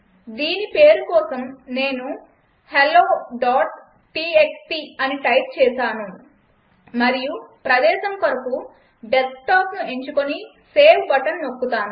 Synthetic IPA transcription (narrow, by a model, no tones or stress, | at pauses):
d̪iːnipe̞ːɾukɔːsɐmne̞ːnu | heloːɖaːʈ̚ | ʈiːeksʈiɐniʈɐjp̚t͡ʃɛːʃaːnu | mɐɾijupɾɐd̪ɛːʃɐmkɐɾɐku | ɖesʈaːpnue̞ɲt͡ʃukoni | seːwbɐʈɐnnokːut̪aːnu